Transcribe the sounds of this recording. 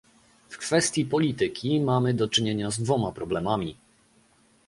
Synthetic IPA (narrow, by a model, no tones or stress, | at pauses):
fkfɛst̪ʲjipɔlʲit̪ɘkʲimamɘd̪ɔt͡ʂɘɲeɲazd̪vɔmapɾɔblɛmamʲi